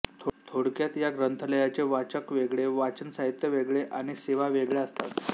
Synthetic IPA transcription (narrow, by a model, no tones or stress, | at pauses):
t̪ʰt̪ʰoɽkjat̪jaɡɾənt̪ʰələjat͡seʋat͡ɕəkʋeɡɭeʋat͡ɕənsaɦit̪jəʋeɡɭeʔaɽ̃iseʋaʋeɡɭeəst̪a̰t̪